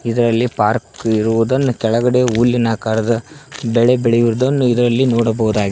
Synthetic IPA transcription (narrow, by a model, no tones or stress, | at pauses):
id̪ɐɾɐlːipaːɾkiɾuʋud̪ɐnːukɛɭɐɡɐɽeulːinaːkaːɾɐd̪ɐbɛɭe̞bɛɭejuɾud̪ɐnːuid̪ɐɾɐlːinɔːɽɐbɐɦud̪aːɡi